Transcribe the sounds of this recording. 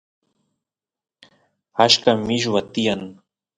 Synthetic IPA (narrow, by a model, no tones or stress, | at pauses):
aʃkamɪʒwat̪ɪjan